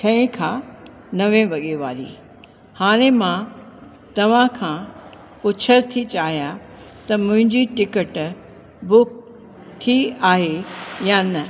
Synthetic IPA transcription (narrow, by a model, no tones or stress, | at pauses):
kʰɐ̃ẽkʰãː | nɐʋẽʋɐɠeʋaːɾḭː | haːɽ̃ẽmã | t̪ɐʋ̤ãkʰãː | ʊt͡ɕʰəɾt̪ʰit͡ɕaːɦija | t̪ɐmʊ̃ɦɪ̃ɲd͡ʑiʈɪkəʈ | bʊk | t̪ʰiaːɦejanɐ